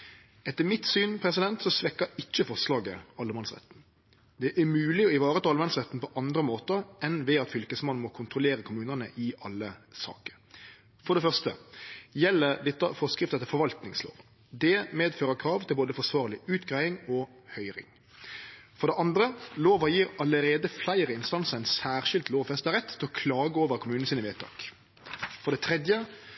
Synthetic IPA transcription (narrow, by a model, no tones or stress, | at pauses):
ɛt̪ːəmɪt̪syːnpʰɾɛs̬ɪd̪ɛnt̪sɔsʋɛkːəɾɪt͡ʃːəfɔslɑːɡəɑlːəmɑnsʁɛ̰t̪n̩ | d̪ɛʔæmʉːlɪɔɪʋɑːɾət̪ʰːɑlmɑnsʁɛt̪n̩pʰɔʔɑnd̪ɾəmoːt̪əɾɛnʋɛɑt̪fʏlkəsmɑnːmɔkʰʊnt̪ʁʊleːɾəkʰʊmʉːnənə̰ʔɪʔɑlːəsɑ̰ːkə̥ɾ | fɔɖ̪ɛfœʁst̪ə̰jɛlːəɾd̪ɛt̪ːəfɔskʁɪft̪əɛt̪ɛfɔɾʋɑlt̪nɪŋslo̰ːʋ | d̪ɛmeːd̪føːɾəkʰɾɑːʋt̪ʰɪlboːd̪əfɔsʋɑːʁəlɪʉːt̪ɡʁæɪɪŋɔ | hœʏɾɪ̰ŋ | fɔɾd̪ɛʔɑnd̪ɾəloːʋəjiːɾɑləɾeːd̪əflæɪɾəɪnst̪ɑnsəʁæɪnsæːʁʃɪlt̪loːʋfɛst̪əʁɛt̪ʰːɪlɔkʰlɑːɡəoːʋəɾkʰʊmʉːnəsiːnəʋeːt̪ʰɑ̰ːk | fɔʁd̪ɛt̪ʰɾɛd̪jə